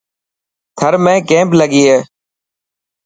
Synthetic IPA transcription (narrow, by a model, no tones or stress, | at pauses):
t̪ʰəɾmẽːkẽːmpləɠiːɦeː